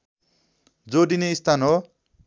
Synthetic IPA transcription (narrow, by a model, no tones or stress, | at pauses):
d͡zoɖineist̪anɦo